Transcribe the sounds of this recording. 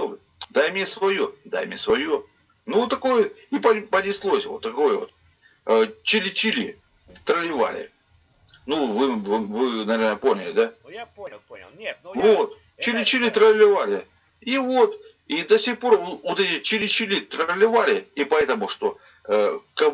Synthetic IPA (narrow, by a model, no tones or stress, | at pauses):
d̪ajmnʲesvɐjod̪a̰jmʲnʲesvɐjo | nuot̪ːɐko̞jəipəpənʲɪslˠo̞sʲvo̞t̪ːɐko̞jəvo̰t̪ | t͡ɕɪlʲɪt͡ɕɪlʲi | t̪ɾəlʲɪva̰lʲɪ̰ | nuvɨvɨvɨnɐvʲernəpo̞nʲɪlʲɪd̪a | vot̪̚ | t͡ɕɪlʲɪt͡ɕɪlʲit̪ɾəlʲɪvalʲɪ | ivo̞t̪ | id̪ɐsʲixpo̞rvot̪ɛtʲɪt͡ɕɪlʲɪt͡ɕɪlʲit̪ɾəlʲɪvalʲɪipɐɛt̪əmʊʂt̪o̞ | əkɐ